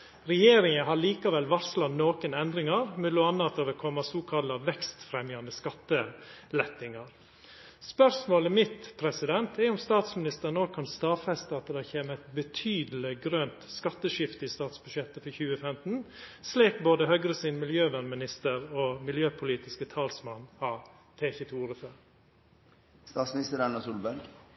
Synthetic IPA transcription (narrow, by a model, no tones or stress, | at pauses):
ɾɛjeːɾɪŋənɦɑɭiːkɑʋɛlʋɑɾslɑnoːkənɛnd̪ɾɪŋɑɾmʉlʊɑnːɑt̪ɑːʋɛkʰɔmːɑsuːkʰɑlɑʋɛkst̪fɾɛmjɑnəskɑt̪ːəlɛt̪ːɪŋɑɾ | spœɾʂmoːləmɪt̪pʰɾɛsɪd̪ɛnt̪ʰɛɾʊmst̪ɑːt̪smɪnɪst̪əɾnoːɡ̚kʰɑnst̪ɑːfɛst̪ɑt̪d̪ɛçeːməɛɪt̪bət̪ʰyːd̪əl̩ɪɡɾønt̪skɑt̪ːəʂɪft̪əɪːst̪ɑːt̪sbʉʂjɛt̪ːəfɔɾçʉːəfɛmt̪n̩sliːkboːd̪əhœɡɾəsɪnmɪljøːʋænmɪnɪst̪əɾoːmɪljøːpʰʊliːt̪ɪskət̪ʰɑːlsmɑnːhɑ | t̪ʰeːçət̪ʰuːɾəføɾ | st̪ɑːt̪smɪnɪst̪əɾɑnɑsulbæɾɡ